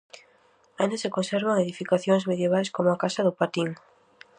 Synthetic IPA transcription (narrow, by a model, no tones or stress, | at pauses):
aend̪asekonseɾβ̞aŋeðifikaθjoŋzmeðjeβajskomʊakasɐðʊpat̪iŋ